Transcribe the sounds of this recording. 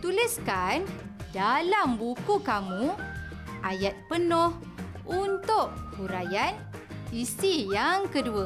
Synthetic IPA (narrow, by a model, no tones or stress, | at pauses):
t̪uliskandalambukukamu | ʔajat̪̚pənoh | unt̪ʊʔbuɾajan | isijaŋkəduə